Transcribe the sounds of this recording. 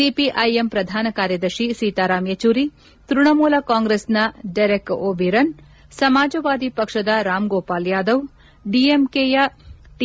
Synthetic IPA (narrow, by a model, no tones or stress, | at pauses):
ipiʔɐjempɾɐd̪ʱaːnɐkaːɾjɐd̪ɐɾʃisiːt̪aːɾaːmjet͡ʃuːɾi | t̪ɾuɳɐmuːlɐkaːŋɡɾesnɐɖɐjɾekoːbʱiɾɐn | sɐmaːd͡ʒɐʋaːd̪ipɐkʂɐd̪ɐɾaːmɡoːpaːljaːd̪ɐʋ | ɖiemkeːjɐʈ